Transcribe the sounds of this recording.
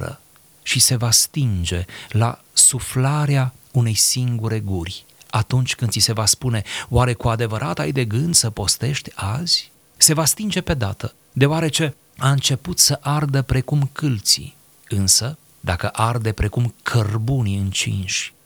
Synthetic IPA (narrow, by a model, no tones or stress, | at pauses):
ə̰ | ʃise̞vast̪ind͡ʒe̞la̰ | suflaɾea | une̞jsiŋɡuɾe̞ɡurʲ | at̪unt͡ʃʲkɨnd̪sise̞vaspune̞waɾe̞kuad̪e̞vəɾʔat̪ajd̪e̞ɡɨnd̪səpo̞st̪e̞ʃt̪ʲaz̥ʲ | se̞vast̪ind͡ʒe̞pe̞d̪a̰t̪ə | d̪e̞owaɾe̞t͡ʃe̞ | aɨnt͡ʃe̞put̪səʔard̪əpɾe̞kumkɨlt̪sḭ | ɨnsə | d̪akəʔard̪e̞pɾe̞kumkʰərbuniɨnt͡ʃḭnʃʲ